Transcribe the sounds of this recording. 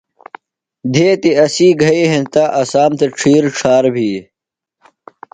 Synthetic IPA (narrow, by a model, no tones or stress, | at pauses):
d̪ʱeːt̪iɐsiːɡʱɐiɦẽnt̪aːʔɐsaːmt̪eʈ͡ʂʰiːɾʈ͡ʂʰaːɾbʱiː